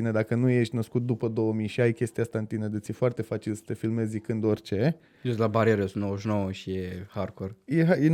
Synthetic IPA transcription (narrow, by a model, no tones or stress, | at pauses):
ined̪akənuje̞ʃt̪ʲnəskut̪̚d̪upəd̪o̞wəmiʃiajkʲe̞st̪iast̪aɨnt̪ined̪ət̪sjefoart̪e̞fat͡ʃilsə̥t̪e̞filmezʲzikɨnd̪o̞rʲt͡ʃe̞ | jest̪labaɾieɾjosunowəʃnowəʃijeharkorjeɦaje